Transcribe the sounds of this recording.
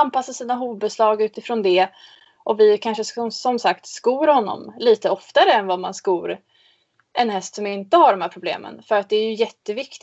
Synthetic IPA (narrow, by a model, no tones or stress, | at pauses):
anpasːasiːnaɦuːd̪̚bɛslɑːɡʉ̟ːt̪ɪfɾoːnd̪ɛ | ʔɔvɪkʰanʂəsɔmsakt̪skuːɾhɔnːɔ̰mliːt̪əɔft̪aɾəɛnvamanskuːɾ | ʔɛnhɛst̪sɔmjɪnt̪əhaɖɔmhæːɾpʰɾʊblḛːmə̰nfœɾat̪̚d̪ɛːɾjɵjɛt̪ːəvɪkt̪ɪ